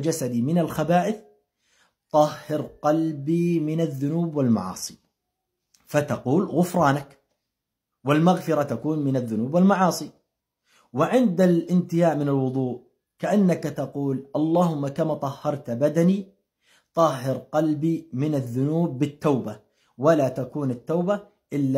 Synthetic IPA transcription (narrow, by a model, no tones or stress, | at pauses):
d͡ʒasad̪imɪnalxabaːʔɪθ | t̪ˤɑhːɪɾqɑlbimɪnaðːʊnuːbwɪlma̰ʕɑ̰ːsˤi̥ | fat̪ɑquːlɣʊfɾˤɑːnak | wɪlmaɣfɪɾˤat̪akuːnmɪnaðːʊnuːbwɪlmɑʕɑːsˤi | wɪʕɪnd̪alʔɪnt̪ɪjaːʔmɪnalwʊðˤuːʔ | kaʔanːakat̪ɑquːlʔɑlˤːɑːhʊmːakamaːt̪ˤɑhːɑɾˤt̪bad̪ani | t̪ˤɑhːɪɾqɑlbiːmɪnaðːʊnuːbːɪt̪ːawba | walat̪akuːnat̪ːawba | ʔɪlːa